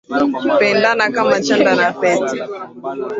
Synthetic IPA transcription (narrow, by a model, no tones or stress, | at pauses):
pɛndanakamat͡ʃandanafɛti̥